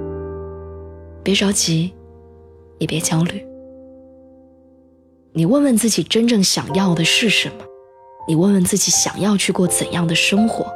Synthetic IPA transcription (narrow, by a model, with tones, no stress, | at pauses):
pjɛ˧˥ʈ͡ʂɑ˧˥ʊt͡ɕi˧˥ | jɛ˨˩pjɛ˧˥t͡ɕjɑ˥ʊly˨˩˦ | ni˨˩wə˥˧nwə˥˧nt͡sɹ̩˥˩t͡ɕi˨˩ʈ͡ʂə˥nʈ͡ʂɤ˥˩ŋɕjɑ˨˩ŋjɑ˥˩ʊd̪ə˩ʂɻ̩˥˩ʂə˧˥nmə˧ | ni˨˩wə˥˧nwə˥˧nt͡sɹ̩˥˩t͡ɕi˧˥ɕjɑ̰˨˩ŋjɑ˥˧ʊt͡ɕʰy˥˧kwɔ˥˩t͡sə̰˨˩njɑ˥˩ŋd̪ə˩ʂɤ˥ŋxwɔ̰˧˥